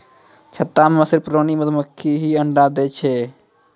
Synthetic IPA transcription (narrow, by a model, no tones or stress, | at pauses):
t͡ʃʰət̪ːamməsiɾpɾoniməd̪məkʰːiɦiəɳɖad̪ɛt͡ʃʰɛ